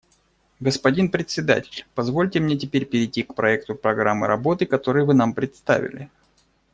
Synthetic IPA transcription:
ɡəspɐdʲinpɾʲɪt̪ʲsʲɪd̪a̰tʲɪ̥lʲpɐzvo̞lʲtʲɪmnʲetʲɪpʲeɾʲpʲɪɾʲɪtʲikpɾɐɛkt̪ʊpɾɐɡɾamːɨ̰ɾɐbo̞t̪ɨkɐt̪o̞ɾɨjvɨnampɾʲɪt̪st̪a̰vʲɪ̰lʲɪ̰

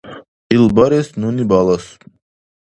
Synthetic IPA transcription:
ilˠbaɾesnunibɑlˠɑs

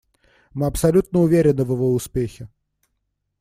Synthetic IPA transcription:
mɨɐpsɐlʲut̪̚nəʊvʲeɾʲɪnɨvɨvoʊspʲexʲɪ

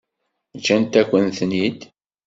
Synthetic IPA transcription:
t͡ʃːænt̪ækʷːənθnid̪

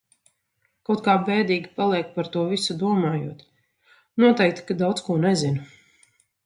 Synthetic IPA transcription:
kawt̪̚kaːbɛːd̪iːɡʲipalˠiɛk̚paɾt̪uɔvisud̪uɔmaːjuɔt̪ | nuɔt̪ɛjk̚t̪kad̪awt̪skuɔnɛzin

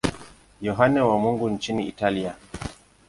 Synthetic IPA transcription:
jɔɦanɛwamuŋɡun̩t͡ʃiniːtalia

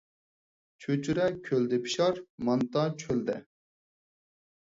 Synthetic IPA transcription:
t͡ʃʰøt͡ʃʰyɾɛkʲʰøld̪ɪpʰi̥ʃɑɾmɑnt̪ɑt͡ʃʰøld̪ɛ̰

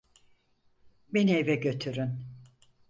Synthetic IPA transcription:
benejvɛɟø̞t̪ʰyɾyn

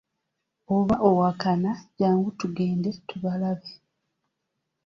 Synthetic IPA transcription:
oβaʔowakanaɟaːŋɡutuɡeːnde̞tuβalaβe

